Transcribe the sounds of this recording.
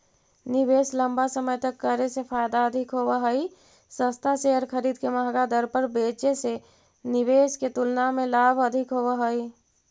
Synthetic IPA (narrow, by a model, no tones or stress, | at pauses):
nɪbeːslə̃mbasəməjt̪əkːəɾesepʰaːjd̪aəd̪ʱɪkɦoːwaɦəi | sə̃st̪ʰaʃeɦəɾkʰəɾiːd̪keməɦɡad̪əɾpəɾbeːt͡ʃese | nɪʋeːsket̪ʊlnamẽlaːbʱəd̪ʱɪkɦobaɦoi